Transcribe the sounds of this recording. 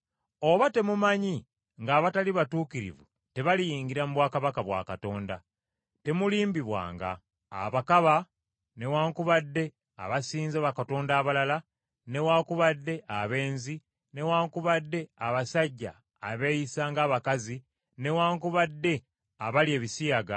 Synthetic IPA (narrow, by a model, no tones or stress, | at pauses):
o̞βate̞mumaɲi | ŋɡaːβataliβatuːkiɾḭvṵ | te̞βalijiːŋɡiɾamuβwaːkaβakaβwa̰ːkato̞ːnda̰ | te̞muliːmbiβwa̰ːŋɡa̰ː | βakaβa | ne̞waːŋkuβadːe̞ | a̰βasiːnzaβakato̞ːndaːβalala | ne̞waːŋkuβadːe̞ʔaβe̞ːnzi | ne̞waːŋkuβadːe̞aβasaɟːa̰ː | βe̞jisaːŋɡaːβakazi | ne̞waːŋkuβadːe̞ | aβalje̞ːβisijaɡa